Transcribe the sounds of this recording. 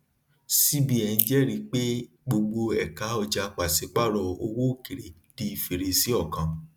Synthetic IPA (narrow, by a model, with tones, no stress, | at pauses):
si˦bi˦ɛ˧˨n̩˧˦d͡ʒɛ˦ɾi˧˦k͡pe˦ | ɡ͡bo˧ɡ͡bo˧ɛ˨kã˨˦ɔ˧d͡ʒa˧k͡pa˨se˨˦k͡pa˦˨ɾɔ˧o˧wo˦˨ke˨ɾe˨ | di˨˦i˨fe˨ɾe˨si˨˦ɔ˦˨kã˨